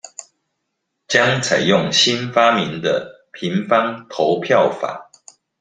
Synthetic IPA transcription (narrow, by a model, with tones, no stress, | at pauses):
t͡ɕjɑ˦ŋt͡sʰa˨˩ɪjʊ˥˨ŋɕi˦nfa˦mi˨˦nd̪ə˧˨ | pʰi˨˦ŋfɑ˦ŋt̪ʰo˨˦ʊpʰjɑ˥˨ʊfa̰˨˩˦